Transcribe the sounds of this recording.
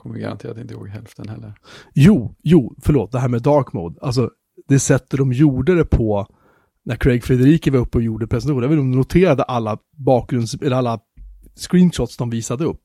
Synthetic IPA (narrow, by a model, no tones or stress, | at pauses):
kʰɔmːəɡa̰ɾa̰nt̪ʰeːɾat̪ːɪnəho̰ːɡɦɛlft̪ənhɛlːəɾjuːjuːfœɭoːt̪̚d̪ɛɦæːɾmeːd̪ɑːɾkmo̰ːd̪als̬ɔ | d̪̥ɛsɛt̪ːəd̪ɔmjuːɖaɾəpʰɔ | næɾkʰɾɛɡfɾɛd̪əɾiːkəvɑɵpːəɔjuːɖəpʰɾɛsɛnahuːvɛnɔmd̪ɛnʊt̪ʰeːɾad̪əʔalːa | bɑːk̚ɡɾɵnd̪sɛlːɛalːa | skɾiːnʂɔt̪ːsd̪ɔmviːsad̪əɵpː